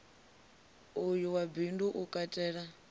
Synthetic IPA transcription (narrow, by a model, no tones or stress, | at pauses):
ujuwabinduʔukʼatʼɛːɺa